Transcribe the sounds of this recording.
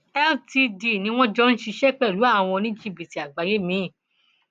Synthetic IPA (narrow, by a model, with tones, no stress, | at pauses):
ɛ˦lti˧di˧˨nĩ˧˦w̃ɔ̃˦d͡ʒɔ˦n̩˦ʃi˧ʃɛ˦k͡pɛ˦˨lu˨˦a˦˨w̃ɔ̃˧nĩ˦d͡ʒi˦˨bi˨ti˨a˨ɡ͡ba˨˧je˨˦mĩ˨˦˨